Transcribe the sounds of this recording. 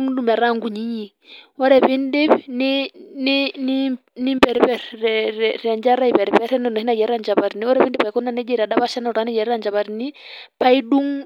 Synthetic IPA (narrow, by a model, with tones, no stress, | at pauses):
ŋ˦du˦mɛ˨ɾa˦˨ŋɡu˨ɲi˦ɲi˨ | ɔ˦ɾɛ˨βi˦nde˦βnɪnini˦ | ni˦mbɛ˨ɾpɛ˨ɾɛɾɛ˨ɲd͡ʒa˦ɾa˦i˨pɛ˨ɾi˨pɛ˦ɾɛ˦nɔ˦nɔ˨ɦi˦na˨d͡ʒɛ˨ɾɾa˦˨nd͡ʒa˨βa˨ɾni˨ɔ˦ɾɛ˨βi˦ndi˦pa˨i˨kɔ˦na˦nɛ˦d͡ʒɛ˦˨ɾa˨ɗa˦βa˦ʃa˦na˨ɔ˨ɾa˨˦nɛ˦d͡ʒɛ˨ɾɛ˦ɾa˦˨nd͡ʒa˨βa˨ɾi˨ni˦ | pa˦i˦du˦ŋ